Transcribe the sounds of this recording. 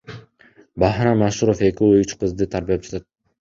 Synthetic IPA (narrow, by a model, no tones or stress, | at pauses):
bɑhɾamaʃuɾo̞fe̞kʲiyt͡ʃqɯzd̪ɯt̪ʰaɾbijap̚d͡ʒɑ̥t̪at̪̚